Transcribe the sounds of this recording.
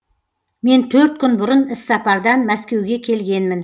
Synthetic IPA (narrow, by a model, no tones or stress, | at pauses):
me̞nt̪ʰɵɾt̪̚kʲʰʏnbʊɾənɪsːɑpɑɾd̪ɑnmæskʲe̞wɡʲe̞kʲʰe̞lɡʲe̞nmɪn